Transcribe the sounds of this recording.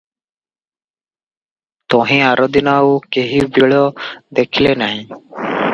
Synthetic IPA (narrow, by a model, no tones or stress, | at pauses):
t̪ɔɦĩaɾʔɔd̪inaukeɦibiɭɔd̪ekʰilenaɦĩ